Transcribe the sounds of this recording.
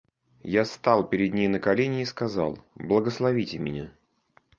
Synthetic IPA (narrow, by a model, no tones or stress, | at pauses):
jast̪ɑlˠpʲɪɾʲɪd̪̚nʲejnəkɐlʲenʲɪiskɐzɑ̰lˠblˠəɡəslˠɐvʲitʲɪmʲɪ̰nʲa